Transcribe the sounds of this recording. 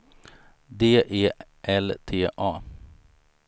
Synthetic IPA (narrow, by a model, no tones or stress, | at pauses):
d̪eːʔeːʔɛlt̪ʰeːʔɑː